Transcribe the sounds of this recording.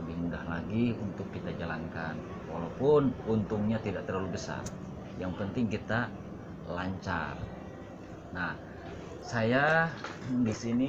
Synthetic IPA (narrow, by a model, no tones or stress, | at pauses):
əbɪhmudahla̰ɡiunt̪ʊkːit̪ad͡ʒalankan | wa̰lawpʊnunt̪ʊŋɲat̪idaʔt̪ərlalubəsa̰r | jaŋpənt̪ɪŋkit̪a | laɲt͡ʃa̰r | nah | saja | disini